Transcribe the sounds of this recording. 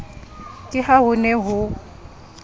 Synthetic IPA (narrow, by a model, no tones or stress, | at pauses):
kʼɪhaɦʊnɛɦʊ